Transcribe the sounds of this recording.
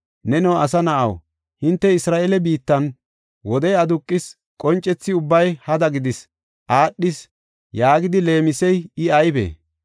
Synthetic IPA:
nɛnɐwɐsɐnɐʔɐ̰w | hɪnt̪ːɛɪsɾaːelɛbiːt̪ːɐn | wɔd̪ɛjɐd̪ʊkʼːɪs | kʼɔnt͡ʃʼːɛt͡sːɪʊbːɐjhɐd̪ɐɡɪd̪ɪs | ʔaːɗːɪs | jaːɡɪd̪ɪle̞ːmɪsɛjɪɐjbḛː

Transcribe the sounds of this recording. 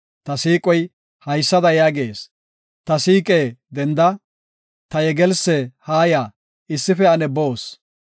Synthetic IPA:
t̪ɐsiːkʼɔj | hɐjsːɐd̪ɐjaːɡeːs | t̪ɐsiːkʼeːd̪ɛnd̪ɐ | t̪ɐjɛɡɛlsːɛhaːjaː | ɪsːɪfɛɐnɛboːs

